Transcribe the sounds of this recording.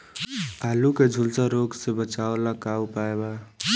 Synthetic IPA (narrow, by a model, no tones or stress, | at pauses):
aːluked͡ʒʱulsaɾoɡsebət͡ʃaolakaupaeba